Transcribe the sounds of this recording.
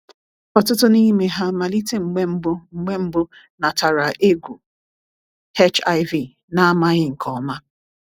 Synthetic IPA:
kɔ˨tʊ˦tʊ˦ni˦me˦ɦa˦ma˨li˦te˦ŋ͡m̩˨ɡ͡be˦m̩˦bʊ˦ŋ͡m̩˨ɡ͡be˦m̩˦bʊ˦ | na˨ta˨ɾa˨ʔe˦ɡʷu˨ | he˦t͡ʃa˦ɪ˦vi˦˨ | na˦a˦ma˦ɣɪ˦ŋ̩˨kʰɔ˨˦ma˦

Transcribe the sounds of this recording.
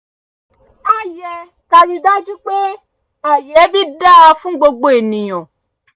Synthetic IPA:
a˨jɛ˧ | ka˧ɾi˧da˦d͡ʒu˦k͡pe˦ | a˨jɛ˨˦bi˦da˦a˧fũ˦ɡ͡bo˧ɡ͡bo˧e˨nĩ˨j̃ɔ̃˨

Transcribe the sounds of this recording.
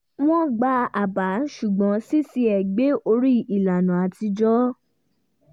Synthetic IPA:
w̃ɔ̃˦ɡ͡ba˧˦a˨ba˨˦n̩˦ʃu˨ɡ͡bɔ̃˨˦si˦si˧ɛ˨ɡ͡be˨˦o˧ɾi˦i˨la˨nũ˨a˨ti˧d͡ʒɔ˦

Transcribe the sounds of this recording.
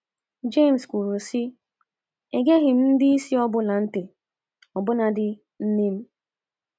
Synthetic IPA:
d͡ʒe˦˨m̩˨skʷu˨ɾu˨si˦ | e˨ɡe˦ɦɪ˨m̩˦n̩˦dɪ˦i˦si˦ɔ˦bʊ˦la˨n̩˦te˨ | ɔ˨bʊ˦na˨dɪ˦ | n̩˦ne˦m̩˦

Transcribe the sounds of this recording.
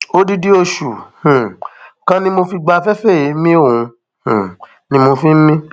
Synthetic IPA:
o˦di˦di˦o˧ʃu˨hũ˨kã˦nĩ˦mo˧fi˧ɡ͡ba˧fɛ˦fɛ˦˨i˨˦mĩ˦o˦˨ũ˧ | hũ˨ | nĩ˧˦mo˧fi˦mĩ˦

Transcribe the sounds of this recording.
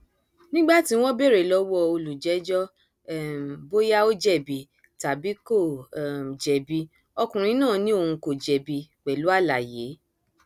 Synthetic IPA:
nĩ˦ɡ͡ba˦˨ti˨˦w̃ɔ̃˦be˦˨ɾe˨lɔ˦wɔ˦˧˨o˧lu˨d͡ʒɛ˨˦d͡ʒɔ˦˨ | m˨bo˦ja˦o˦d͡ʒɛ˦˨bi˨ | ta˨bi˨˦ko˦˨d͡ʒɛ˨bi˧ | ɔ˧kũ˨ɾ̃ĩ˧˦nãː˦˨nĩ˦o˦˧˨hũ˧ko˨d͡ʒɛ˨bi˧k͡pɛ˨lu˨˦a˦˨la˨je˨˦

